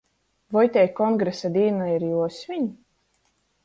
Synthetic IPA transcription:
vɔjt̪ʲɛjkɔŋɡɾesad̪ʲiːnaiɾjuɔsʲvʲiɲi

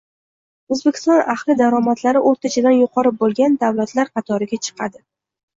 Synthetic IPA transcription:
ozbekʲʰɪ̥st̪ɒnahlˠɪd̪aɾɒmat̪ʰlaɾɪʔoɾt̪ʰat͡ʃʰad̪anjʊqʰɒɾɪp̚bolˠɡʲand̪awlat̪laɾqʰɑt̪ʰɒɾɪɡʲat͡ʃʰɨ̥qʰɑd̪ɪ

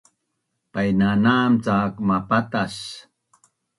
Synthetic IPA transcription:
pajnanamt͡sakmapat̪as

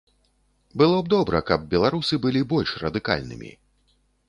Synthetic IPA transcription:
bɨlˠɔb̚d̪ɔbɾɐkɐb̚bʲɛlˠaɾusɨbɨlʲibɔlʲʂrɐd̪ɨka̰lʲnɨ̰mʲḭ

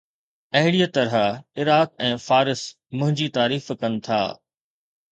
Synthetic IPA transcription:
ɐɦɪɽijət̪ɐɾəɪɾaːk̚ɛ̃ːfaːɾɪs | mʊ̃ɦɪ̃ɲd͡ʑit̪aːɾiːfkɐnɪ̆t̪ʰa̰ː

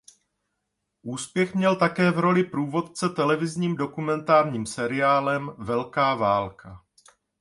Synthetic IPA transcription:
ʔuːspjɛxmɲɛlt̪akɛːvɾo̞lɪpɾuːvo̞t̪̚t͡sɛt̪ɛlɛvɪzɲiːmdo̞kumɛnt̪aːɾɲiːmsɛɾɪaːlɛmvɛlkaːvaːlkʰa

